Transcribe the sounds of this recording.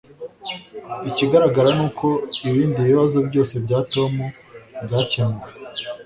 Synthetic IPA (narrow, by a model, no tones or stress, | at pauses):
iciɡaɾaɡaɾanuːkʰo̞iβiːndiβiβazobɟo̞ːse̞bɟaːto̞mu | bɟaːcaːŋɡe